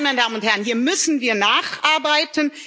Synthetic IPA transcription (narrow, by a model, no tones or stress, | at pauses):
maɪnədaːmənʊnthɛɐənhiːɐmʏsn̩viːɐnaːχʔaɐbaɪtən